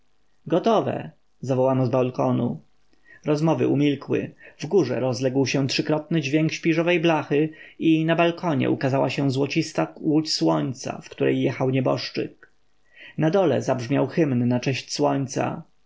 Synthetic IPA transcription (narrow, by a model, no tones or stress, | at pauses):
ɡɔt̪ɔvɛ̰ | zavɔwanɔzbalkɔnu | ɾɔzmɔvɘ̰ʔumʲilkwɘ̰vɡuʐɛ̰ɾɔzlɛɡwɕɛtʂɘkɾɔt̪̚nɘd͡ʑvʲjɛŋkɕpʲiʐɔvɛjblaxɘinabalkʰɔɲɛ̰ʔukazawaɕɛ̃zwɔt͡ɕist̪awut͡ɕswɔɲt̪sa̰fkt̪uɾɛ̰jːɛxawɲɛbɔ̰ʂt͡ʂɘ̰k̚ | nad̪ɔlɛ̰zabʐmʲjawxɘmnːat͡ʂɛɕt͡ɕswɔɲt̪sa̰